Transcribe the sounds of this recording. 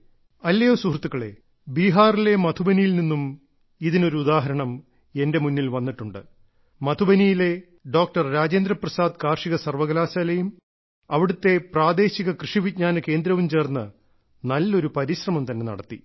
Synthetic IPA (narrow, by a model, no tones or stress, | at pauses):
ɐlːejoːsuɦrt̪ːukːɐɭe̞̰ | biːɦaːrile̞mɐt̪ʰubɐnijilninːum | iðino̞ɾuːd̪aːɦɐɾɐɳɐm | e̞nde̞munːilʋɐnːiʈːuɳɖɨ | mɐt̪ʰubɐnijile̞ | ɖo̞ːk̚ʈɐrɾaːd͡ʑend̪ɾɐprɐsaːd̪kaːrʂiɣɐsɐrʋɐɣɐlaːsɐlɐjum | ɐʋiɽut̪ːe̞praːd̪e̞ːɕiɣɐkrɨʂiʋid̚ɲaːnɐke̞ːnd̪ɾɐʋumt͡ɕe̞ːrnːɨ | nɐlːo̞ɾupɐɾiɕrɐmɐmt̪ɐnːe̞nɐ̰ɽɐt̪ːi